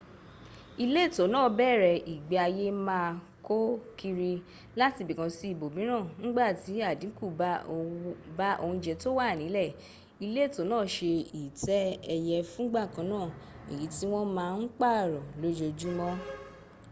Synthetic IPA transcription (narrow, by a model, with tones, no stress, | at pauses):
i˧le˦˨to˨˦nãː˦˨bɛ˦˨ɾɛ˨i˨ɡ͡be˨˦a˧je˦mãː˦˧ | ko˦ki˧ɾi˧ | la˦ti˧bi˨kã˧si˧˦i˦˨bo˨bĩ˨˦nã˦˨ŋ̩˦ɡ͡ba˦˨ti˨˦a˦˨dĩ˨˦ku˦˨ba˦o˧ba˦ʔo˧hũ˧d͡ʒɛ˧to˦wa˦˨nĩ˨˦lɛ˦˨ | i˧le˦˨to˨˦nãː˦˨ʃe˧i˨tɛ˦ɛ˧jɛ˧fũ˦ɡ͡ba˦˨kã˨˦nãː˦˨ | i˨ji˨˦ti˦w̃ɔ̃˦mãː˦˧n̩˦k͡pa˦˨ɾɔ˨lo˦d͡ʒo˧d͡ʒu˦mɔ̃˦